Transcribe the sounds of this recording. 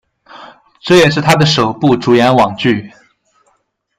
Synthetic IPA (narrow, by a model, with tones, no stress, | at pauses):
ʈ͡ʂɤ˥˩jɛ˨˩ʂ̬ɻ̩˥˩t̪ʰa˥d̪ə˨ʂo˨˩ʊpu˥˩ʈ͡ʂu˨˥jɛ˧˥nwɑ˨˩ŋt͡ɕy˥˩